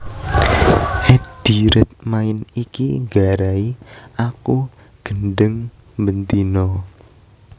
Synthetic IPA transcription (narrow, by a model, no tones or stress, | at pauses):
ʔɛd̥iɾət̪̚maɪnikiŋɡaɾaiaku | ɡ̥ənɖəŋ | mbənt̪inɔ